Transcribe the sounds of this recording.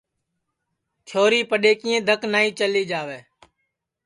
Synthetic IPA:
t͡ʃʰoːɾiːpəɗeːkĩːẽːd̪ʱəknaːiːt͡ʃəliːd͡ʒaːʋeː

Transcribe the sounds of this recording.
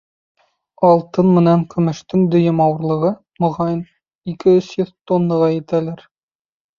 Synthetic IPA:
ɒlˠt̪ɤnmɘ̆næŋkɵ̆mɘ̆ʃt̪ɘŋd̪ɵ̆jɘmɑwɤ̆ɾlˠɤ̆ʁɤ | mŏʁɑjɤn | ikɘɵsjɵðt̪onːɤʁɑjɘ̆t̪ælæɾ

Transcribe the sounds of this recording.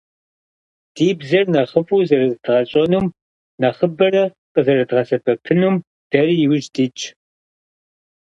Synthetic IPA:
d̥iːbzɐrnɐχəpʼuːzɐrɐzdʁɐɕʼɐnum | nɐχəbɐrɐ | qʼəzɐrɐdʁɐsɐbʰɐpʰɨnum | d̥ɐrijɪwʒdiːt͡ʃʼ

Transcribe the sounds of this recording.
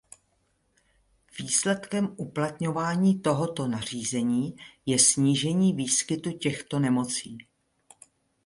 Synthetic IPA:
viːslɛt̪kɛmʔuplat̪ɲo̞vaːɲiːt̪o̞ɦo̞t̪o̞nar̝iːzɛɲiːjɛsɲiːʒɛɲiːviːskɪt̪ucɛxt̪o̞nɛmo̞t͡siː

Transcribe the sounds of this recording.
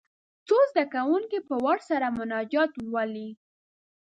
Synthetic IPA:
t͡sozd̪akawuŋkipəwaɽsaɾamʊnɑd͡ʒɑt̪wali

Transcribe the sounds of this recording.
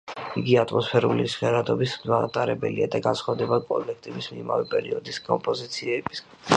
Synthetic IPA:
iɡiat̪ʼmɔspʰɛɾulisʁɛɾad̪ɔbismat̪ʼaɾɛbɛliad̪aɡansχwavd̪ɛbakʼɔlɛk̚ʰt̪ʼɛbismimavɛpʼɛɾiɔd̪iskʼɔmpʼɔzit̪sʰiɛbis

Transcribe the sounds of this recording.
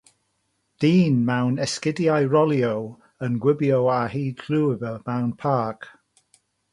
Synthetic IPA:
d̥iːnmawnɛskɪdiajɹɔliow | ənɡwɪbjowahiːdɡʰluːvəmawnpʰaːˑk

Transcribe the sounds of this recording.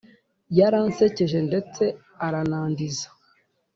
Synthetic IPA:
jaɾanse̞ceʒe̞nde̞t͡se̞ | aɾanaːndizḁ

